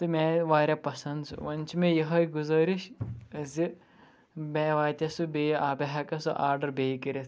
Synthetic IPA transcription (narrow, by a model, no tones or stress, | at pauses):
t̪ɨmẽːʋaːɾʲapɐsɐnd̪sṵʋɐnʲt͡ʃʰimẽjɐɦɐjɡuzɐːɾiʃzʲi | meːʋaːt̪ʲɐsubeaːbɐɦakɐsuʔaːɾɖɐɾbeːkɐɾʲɐ